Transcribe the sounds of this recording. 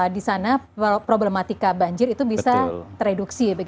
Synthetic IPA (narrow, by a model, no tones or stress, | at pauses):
disanapɾoblemat̪ikabaɲd͡ʒɪɾit̪ubisat̪əɾeduksibaɡ